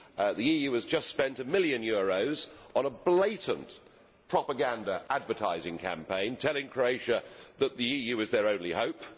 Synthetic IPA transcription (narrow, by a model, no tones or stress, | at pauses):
ðiijʉəzd͡ʒʌstspɛ̃ntɨmɪljɨ̃njɔɹoʊzə̃nəbleɪʔn̩ | pʰɹ̥ɑpəɡæ̃ndəʔædvətʰa̰ɪzɪ̃ŋkʰæ̰̃mpʰẽɪ̃ntʰɛlˠɪ̃ŋkʰɹ̥oʊeɪʃəðət̪̚ðiijʉɨzðə˞ə̃ʊ̃nlihoʊp̚